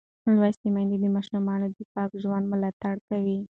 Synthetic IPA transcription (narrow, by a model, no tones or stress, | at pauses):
lwast̪imand̪id̪əmɑʃumɑnod̪ɪfɑkʒwand̪mʊlɑt̪aɽkawi